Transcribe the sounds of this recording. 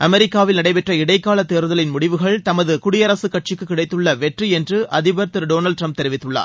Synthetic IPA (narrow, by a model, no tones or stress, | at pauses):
ʔɐmɛɾɪkːaːʋɪlnɐɽɐɪpɛʈrɐɪɽɐɪkːaːlɐt̪ːeːɾɯðɐlɪnmʊɽɪʋɯɣɐɭt̪ɐmɐðɯkʊɽɪjɐɾɐsɯkːɐʈ̚t͡ʃɪkːɯkːɪɽɐɪt̪ːɯɭːɐʋɛʈriɛndrɯʔɐðɪbɐɾt̪ɯɾɖoːnɐlɖʈɾɐmp̚t̪ɛɾɪʋɪt̪ːɯɭːa̰ːɾ